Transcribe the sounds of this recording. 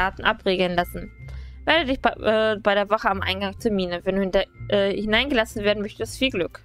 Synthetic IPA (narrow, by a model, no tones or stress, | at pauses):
aːtn̩ʔapʁeːɡl̩nlasn̩veːɐdədɪçbʔɛːbaɪɾeːɐvɔχəamʔa̰ɪnɡaŋtʰɛɐmiːnəvɛnduːndʔɛhɪnaɪnɡəlasn̩veːɐdn̩mœçtəstfiːlɡlʏk